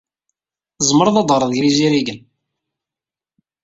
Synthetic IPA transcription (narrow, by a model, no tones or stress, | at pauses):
zˤməɾˤðɑd̪ˤəɾˤðʝɾiziɾiʝən